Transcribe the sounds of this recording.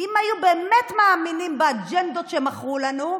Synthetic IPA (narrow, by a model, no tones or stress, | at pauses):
imajubeːmet̪maaminimbead͡ʒend̪ot̪ʃemaχʁulanu